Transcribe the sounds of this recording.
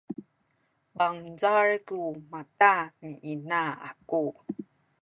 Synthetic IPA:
baŋzarkumatamiʔinaa̰ku

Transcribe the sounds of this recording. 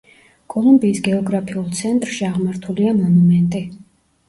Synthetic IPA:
kʼɔlˠumbiːsɡɛɔɡɾapʰiulˠt̪sʰɛnt̪ʼɾʃiaʁmaɾt̪ʰuliamɔnumɛnt̪ʼi

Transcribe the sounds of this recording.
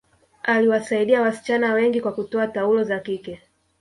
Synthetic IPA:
aliwasaiɗiawasi̥t͡ʃanawɛŋɡikwakutɔataulɔzakikɛ

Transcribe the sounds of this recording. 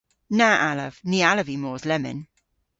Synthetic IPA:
naʔalə̰v̥niːaləvimɔːzlɛmɪ̰n

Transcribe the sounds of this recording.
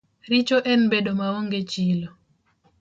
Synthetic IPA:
ɾit͡ʃoʔɛnbeɗomawoŋɡet͡ʃilo

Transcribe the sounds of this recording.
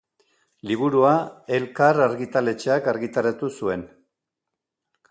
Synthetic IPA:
liβ̞uɾuae̞lkaraɾɣit̪ale̞t͡ʃeakaɾɣit̪aɾat̪usue̞n

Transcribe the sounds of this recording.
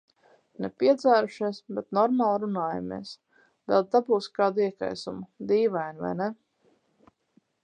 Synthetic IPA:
nɛpʲiɛd̪zæːɾuʃiɛsbɛt̪nɔɾmaːlˠɾunaːja̰mḭɛs | vɛlˠt̪abuːskaːd̪uiɛka̰jsumʊd̪iːvajnva̰jnɛ

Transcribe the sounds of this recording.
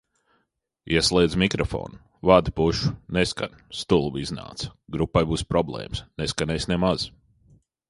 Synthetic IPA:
iɛslˠɛːd̪zmikɾɔfɔ̰ːnu | vad̪ipuʃu̥neska̰nʲ | st̪ulˠvizna̰ːt̪sɡɾupːajbuːspɾɔblˠḛːmsneskanɛjsnemaz̥

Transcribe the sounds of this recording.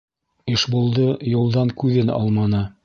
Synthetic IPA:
ɘʃbulˠd̪ɤjŭlˠd̪ɑŋkʉðɘnɑ̰lˠmɑnɤ

